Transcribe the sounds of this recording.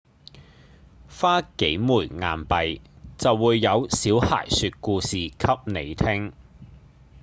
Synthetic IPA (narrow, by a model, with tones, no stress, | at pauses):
faː˥ke˨˥jmuː˨˩jŋaː˨npɐ˨jt͡sɐ˨wːuː˨˧jːɐ˨˧wsiː˨˥wha̰ː˨˩jsyː˧t̚kuː˧siː˨kʰɐ˥p̚ne˨˧jt̪ʰɪ˥ŋ